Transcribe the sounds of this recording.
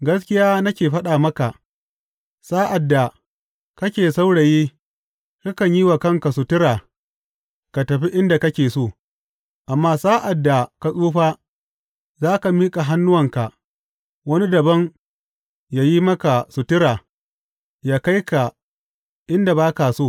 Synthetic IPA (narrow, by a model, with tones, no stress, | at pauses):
ɡɐ˦skʲɪ˦jaː˦nɐ˦kʲeː˨ɸɐ˦ɗaː˨mɐ˦ka˨ʔ | saː˦ʔa˨dːa˨ | kɐ˦kʲeː˨sa˦wɽa˨jiː˦ | ka˦kɐ˨ɲji˦wa˨kɐ˦˨ŋka˨su˨tɪ˦ɾaː˨ | ka˨tɐ˨ɸi˦ʔɪ˦nda˨kɐ˦kʲeː˨soː˦˨ | ʔa˨mːaː˦saː˦ʔa˨dːa˨ka˨sʼuː˦ɸaː˦ | zaː˦ka˨miː˦kʼa˨ɦa˦nːʊ˦wɐ˨ŋka˨ | wɐ˦ni˦dɐ˨bɐ˦ŋ | ja˦ji˦mɐ˦ka˨sʊ˨tɪ˦ɾaː˨ | jaː˦ka˦jka˨ | ʔɪ˦nda˨baː˦ka˨soː˦˨